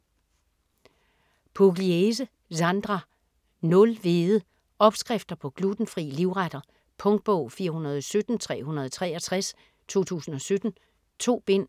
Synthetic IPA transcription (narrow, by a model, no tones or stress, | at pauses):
pʰoɡ̥lies̬ə | sɑ̈nd̥ʁɑ | nɔ̽lʋeːðˠə | ɒ̽b̥sɡ̥ʁɛfd̥ɐpʰɒ̽ɡ̥lud̥n̩fʁḭːliʊʁad̥ɐ | pʰɔ̽ŋd̥̚b̥ɔʊ̰fiːɐhunɐð̞ˠɒ̽sød̥n̩t͡sʰʁɛ̰ːhunɐð̞̩ˠɒt͡sʰʁɛ̰ːɐt͡sʰʁas | t͡sʰo̝̰ːt͡sʰṵːsn̩ɒ̽sød̥n̩ | t͡sʰo̝̰ːb̥e̝n̰